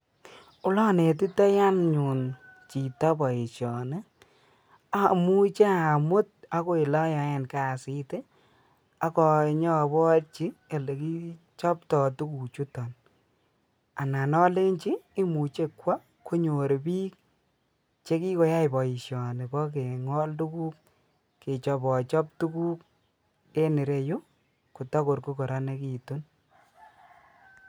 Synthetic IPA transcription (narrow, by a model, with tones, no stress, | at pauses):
ʊ˦lɔ˦ne˨t̬i˦tɔ˦ja˦nɲu˨nt͡ʃi˨ta˦bɔ˨i˨ʃjɔ˨ne˦ | a˦mu˦t͡ʃe˦a˨mʊ˦t̚a˦ko˦ɪ˨lɔ˦ja˨ɛ˨nka˦˨sɪ˦te˦ | a˦kɔ˧ɲɔ˦˨bɔ˦ɾt͡ʃi˦e˨le˨ki˦ | t͡ʃɔ˦ptɔ˨tu˦ku˨t͡ʃu˦tɔ˨n | a˨na˨nɔ˦le˦nt͡ʃiː˦mu˨t͡ʃe˦kwa˦ | ko˦ɲo˨ɾe˨biː˦k̚ | t͡ʃe˦ki˦ko˨˦ja˦ɪ˨bɔ˨ji˨ʃjɔ˨ne˨kɔ˦k̬e˨ŋɔ˦ltu˦kuː˦k | kːe˨t͡ʃɔ˨bɔ˨t͡ʃɔ˦p̚tu˦ku˦k̚ | e˦ni˨ɾe˦jo˦ | ku˨tɔ˦ko˨ɾku˦kɔ˨ɾɔ˦ne˦ki˨tu˦n